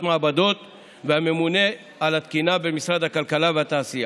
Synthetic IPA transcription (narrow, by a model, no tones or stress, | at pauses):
tmaːbad̪o̞t̪ | vehame̞mune̞ | alat̪kinabe̞misʁad̪hakalkalaveat̪aːsija